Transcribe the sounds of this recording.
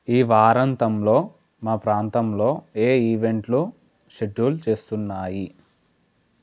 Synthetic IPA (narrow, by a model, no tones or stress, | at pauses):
iːʋaːɾɐnt̪ɐmlo̞ː | maːpɾaːnt̪ɐmlo̞ːeːiːʋe̞ɳʈlu | ʃeɖːuːlt͡ʃe̞ːst̪unːaːji